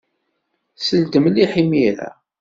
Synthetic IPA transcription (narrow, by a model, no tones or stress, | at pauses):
səld̪əmliħimiɾæ̰